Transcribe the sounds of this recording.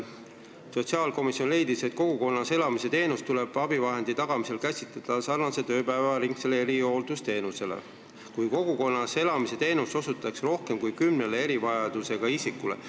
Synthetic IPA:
so̞t̪siɑːlko̞misjo̞nle̞jd̪ise̞t̪̚ko̞ɡ̥uko̞nːɑse̞lɑmise̞t̪e̞ːnust̪ule̞b̥ɑb̥ivɑɦe̞nd̪̥it̪ɑɡ̥ɑmise̞lkæsʲit̪led̪̥ɑsɑrnɑse̞t̪ø̞ːpæevɑɾiŋkse̞leeɾio̞ːld̪̥ust̪e̞ːnuse̞lḛ | kujko̞ɡ̥uko̞nːɑse̞lɑmise̞t̪e̞ːnuso̞sut̪ːˑɑksro̞hke̞mkujkymnelee̞ɾivɑjɑd̪̥use̞ɡ̥ɑisikːulḛ

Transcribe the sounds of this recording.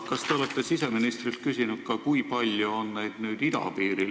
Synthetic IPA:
kɑst̪e̞o̞let̪ˑːe̞sise̞minist̪rilt̪̚kysʲinut̪̚kɑkujpɑlʲjuonːe̞jd̪̥nyːd̪id̪ɑ̰piːɾi

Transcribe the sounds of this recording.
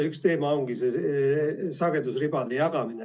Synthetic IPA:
ykst̪eːmɑoŋɡ̥ise | sɑɡ̥et̪usripɑd̪ejɑkɑmine

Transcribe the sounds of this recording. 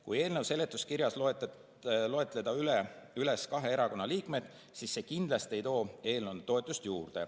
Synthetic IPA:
kuje̞ːlnewse̞le̞t̪ːˑuskiɾjɑsloet̪ | lo̞e̞t̪ˑle̞d̪̥ɑylyle̞skɑɦe̞eɾɑko̞nːɑliːkme̞d̪̥ | sisːe̞kind̪̥lɑst̪ie̞jt̪o̞ːe̞ːlnew̪t̪o̞e̞t̪ˑːust̪juːrd̪̥e̞̰

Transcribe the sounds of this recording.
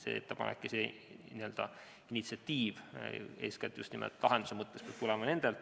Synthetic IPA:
sḛet̪ːepɑ̰nḛkːisenʲiø̞ld̪̥ɑ̰ | init̪siɑt̪ʲːiːvḛːskɑt̪ːˑjṵst̪nimḛlt̪ːˑlɑɦend̪̥usemɤt̪ːespɑb̚t̪ulɛmɑne̞nd̪̥elt̪

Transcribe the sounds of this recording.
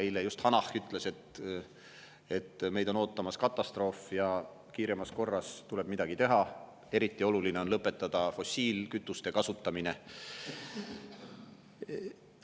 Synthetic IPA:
ilejust̪hɑnɑhkyt̪ːˑle̞se̞t̪ | e̞t̪ːme̞jd̪o̞no̞ːt̪ːˑɑmɑskɑt̪ːˑɑst̪ro̞ːfjɑ | kiːɾemɑsko̞rːɑst̪ule̞b̥mid̪̥ɑɡ̥it̪e̞ɦɑ | e̞ɾit̪ˑːio̞lulineo̞nlɤpːˑe̞t̪ːˑɑd̪̥ɑfo̞siːlkyt̪ːˑust̪e̞kɑsut̪ːˑɑmine̞

